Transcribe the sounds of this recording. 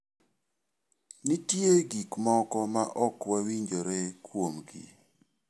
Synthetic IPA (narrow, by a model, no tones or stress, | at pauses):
nitjoɡikmɔkɔmaʔɔkwawiɲd͡ʒoɾekwomɡḭ